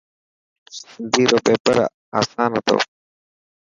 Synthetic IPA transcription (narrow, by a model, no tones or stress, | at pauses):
nd̪iɾopepɐɾa̰ | asaːnɐt̪o̰